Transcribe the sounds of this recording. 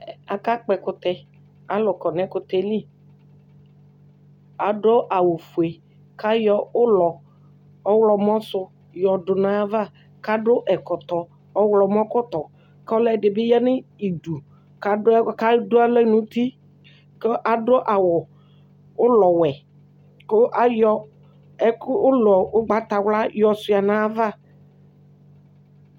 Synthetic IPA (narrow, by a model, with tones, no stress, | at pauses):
a˨ka˦k͡pɛ˨kʊ˨˦t̪ɛ˨ | a˨lʊ˨kɔ˨nɛ˦kʊ˨˦t̪ɛ˨li˦ | a˨dɔ˦ʔa˨wʊ˨fu˨e˨ | ka˦jɔ˦ʊ˦lɔ˨ | ɔ˦wlɔ˨m˦ɔ˦sʊ˦ | jɔ˨dʊ˨nã˨a˦va˦ | ka˦dʊ˦ʔɛ˨kɔ˨t̪ɔ˨ | ɔ˦wlɔ˨m˦ɔ˦kɔ˦t̪ɔ˨ | klɛ˨dɪ˨bɪ˦jɛ˦nɪ˦i˨du˨ | ka˨dka˦dʊ˦a˦lɛ˦nʊ̃˨t̪i˦ | ke˦ʔa˨dɔ˦ʔa˨wɔ˨ | ʊ˦lɔ˨wɛ˨ | kʊ˦ʔa˦jɔ˦ | ɛ˦kʊ˦lɔ˨ʊ˦ɡ͡ba˨t̪a˨wla˦jɔ˨sʊ˨a˨nã˦va˦˨